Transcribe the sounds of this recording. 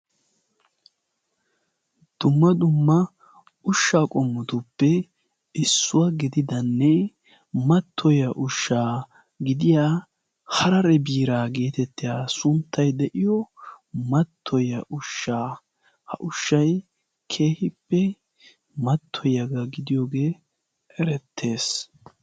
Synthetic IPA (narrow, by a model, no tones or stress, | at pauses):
d̪̥ʊmːɐd̪ʊmːɐ | ʊʃːaːkʼɔmːʊt̪ʊpːɛ | ɪsːʊwɐɡɪd̪ɪd̪ɐnːɛ | mɐt̪ʰːɔjɐʔʊʃːaː | ɡɪd̪ɪjaː | hɐɾɐɾɛbiːɾaːɡe̞ːt̪ɛt̪ːɪjaːsʊnt̪ːɐjd̪ɛʔɪjɔmɐt̪ʰːɔjɐʔʊʃːaː | hɐʔʊʃːɐj | kʰe̞ːhɪpːɛ | mɐt̪ʰːɔjɐɡɐɡɪd̪ɪjoːɡe̞ː | ʔɛɾɛt̪ʰːe̞ːs